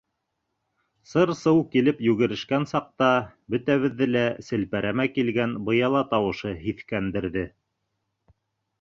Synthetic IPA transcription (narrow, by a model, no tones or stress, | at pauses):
sɤɾsɤwkilɘpjʉɡɘ̆ɾɘ̆ʃkænsɑq̚t̪ɑbɵ̆t̪æβɘ̆ðːɘlæsɘ̆lpæɾæmækilɡænbɤ̆jɑlˠɑt̪ɑwɤ̆ʃɤɦiθkænd̪ɘ̆ɾðɘ